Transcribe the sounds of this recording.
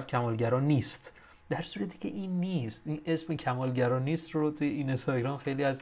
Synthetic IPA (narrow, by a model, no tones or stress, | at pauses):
fcʲʰæmɒːlɟæɾɒːniːst̪ | d̪̥æɾsuːɾæt̪ʰi̥ːcʰʲe̞̰ʔiːnːist̪ʔiːnʔe̞sme̞cʰæmɒːlɟæɾɒːniːst̪rot̪ʰuje̞inst̪ɒɟɾɒːmxe̞jliːæz